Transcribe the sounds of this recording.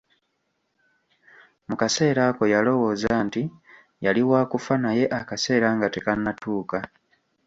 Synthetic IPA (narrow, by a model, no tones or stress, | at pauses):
mukase̞ːɾaːko̞jalo̞wo̞ːzanti | jaliwaːkufanaje̞ʔakase̞ːɾaŋɡate̞kanːatuːka